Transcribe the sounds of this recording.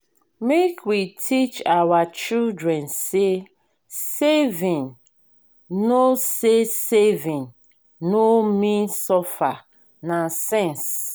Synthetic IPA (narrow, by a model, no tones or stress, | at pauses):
mekʰwitʰit͡ʃawat͡ʃildɹɛ̃nse | sevĩŋ | nosesevĩn | nomĩnsɔfa | nasɛ̃ns